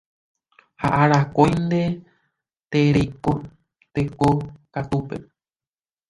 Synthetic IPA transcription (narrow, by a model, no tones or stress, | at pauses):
ha̰ʔaɾakojnd̪e̞ | t̪eɾejko | t̪ekokat̪upḛ